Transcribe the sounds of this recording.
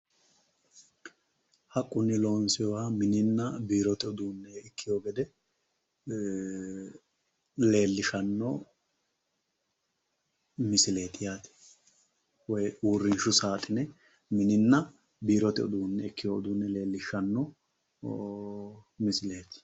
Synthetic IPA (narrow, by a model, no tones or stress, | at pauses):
hɐkʼːʊnːɪlo̞ːnsɪjɔwamɪnɪnːɐbiːɾɔt̪ɪɔd̪uːnːɛɪkːɪjoːɡɛd̪ɛ | le̞ːlːɪʃɐnːɔ | mɪsɪle̞ːt̪ɪjaːt̪ɪ̥ | wɔjuːrːɪnʃʊsaːt̪ʼɪnɛ | mɪnɪnːɐ | biːɾɔt̪ɪɔ̰d̪uːnːɛɪkːɪjoːɔd̪uːnːɛle̞ːlːɪʃɐnːɔ | mɪsɪle̞ːt̪